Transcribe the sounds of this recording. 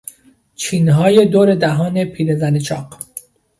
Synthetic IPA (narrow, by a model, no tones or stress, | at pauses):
t͡ʃʰiːnɦɒːje̞d̪oːɾe̞d̪æɦɒːne̞pʰiːɾezænet͡ʃʰɒːq